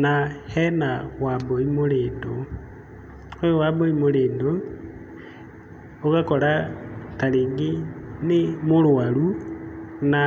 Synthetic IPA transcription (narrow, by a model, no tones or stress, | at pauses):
nahɛnawamboimoɾeːndo | ojowamboimoɾeːndo | oɣakɔɾakaɾeːŋɡenemoɾwaɾu | na